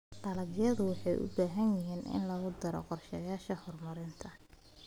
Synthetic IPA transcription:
dɐlɐɡjɐðʊwɑħɑjʔʊ̰baːɦɐnjɪɦiːnʔɪ̰nlɐɣʊd̪ɐɾɔ̰qɔrʃɐjaːʃɐhɔrmɐɾɪnt̪ʰɐ

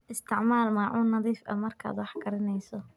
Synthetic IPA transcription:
ʔɪst̪ʰɪʕmaːlmaːʕuːnːɑðiːfɐ̰mɐrkʰa̰ːd̪wɑħɡɐɾɐnɛjsɔ

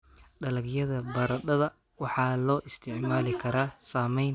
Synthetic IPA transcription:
ɖɐlɐɡjɐðɐbɐɾɐd̪ɐðɐ | wɑħɑːlɔːʔɪst̪ʰɪʕmaːlɪkʰɐɾaːsaːmɛjn

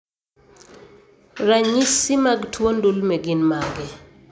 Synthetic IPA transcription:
ɾaɲisɪmaɡtʰwondulmɛɡɪnmaɡɪ

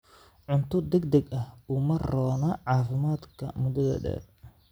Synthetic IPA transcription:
ʕʊnt̪ʰʊd̪ɛɡd̪ɛɡɐhumɐrɔːnɐʕɑːfɪmaːd̪kʰɐmʊd̪ɐðɐ̰ɖɛ̰ːr

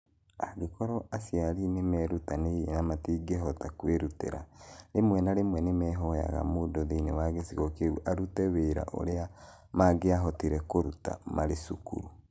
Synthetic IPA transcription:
aɡekɔɾɔʔasjaɾinemɛɾutaneienamatiːɡeɦɔtakweɾutḛɾa̰ɾemwɛnaɾemwɛnemɛːɦɔja̰ɣa̰modoðeinewaɣesiɣokeuʔaɾutɛweɾa̰ʔo̰ɾea | maɡeaɦɔtiɾɛkoɾuta̰maɾesukṵɾu

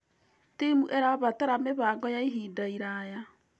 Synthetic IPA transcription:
temuʔɛɾaβataɾameβaːɡɔjaiɦiːdaiɾaja

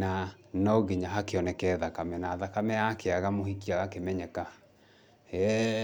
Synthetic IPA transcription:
na | nɔɣeɲaɦakeɔnɛkɛːðakamɛnaːðakamɛakeaɣamohikiaɣakemɛɲɛka | ɛ

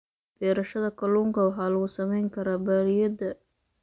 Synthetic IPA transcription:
b̥ɛːɾɐʃɐðɐkʰɐluːŋkʰɐwɑħɑːlɐɣʊsɐmɛjŋkʰɐɾaːbaːlɪjɐd̪ɐ

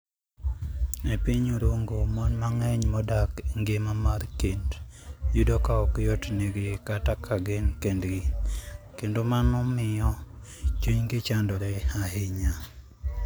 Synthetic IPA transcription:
epiɲuɾoŋɡomɔnmaŋɛɲmɔdakŋɡemamarkendjudɔkaɔkjɔtneɡɪkatakʰaɡenkendɡi | kendomanɔmɪjɔt͡ʃuɲɡɪt͡ʃandɔɾɛaɦɪɲa

